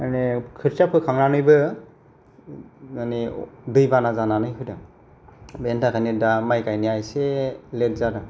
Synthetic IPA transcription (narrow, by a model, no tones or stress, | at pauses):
anekʰɯɾsapʰɯkʰaŋɾanɯjbɯ | anidɯjbanazananɯjɦʰɯdɯ | bentʰakʰanidamajkajnijajselet̚zaɾɯ